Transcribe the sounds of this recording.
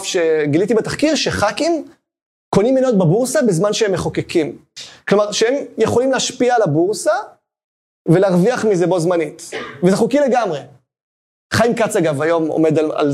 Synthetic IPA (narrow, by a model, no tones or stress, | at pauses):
fʃe̞ɡilitibetaχkiʁʃe̞χakim | konimːenot̚bebuʁsabezmanʃeemeχokekʰimklomaʁʃeemjeχo̞limleaʃpiaːlabuʁsa | veleaʁviaχmizebo̞zmanitvezeχukile̞ɡamʁe | χajimkat͡saɡavajo̞mo̰me̞d̪ala̰l